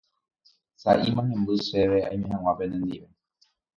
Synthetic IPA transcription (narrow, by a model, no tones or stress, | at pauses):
saʔimãɦẽmbɨseʋea̰ĩmẽɦãw̃ãpenend̪iʋe